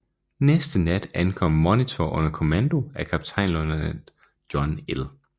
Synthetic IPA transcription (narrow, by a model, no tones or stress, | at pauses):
nesd̥ənæd̥ænkʰɒ̽m̰mɒnit͡sʰɒʔɔ̽nɐkʰo̝mænd̥o̝ækʰæb̥̚t͡sʰɑ̈ɪnlɔnɐ̥ | d̥jɒ̽nel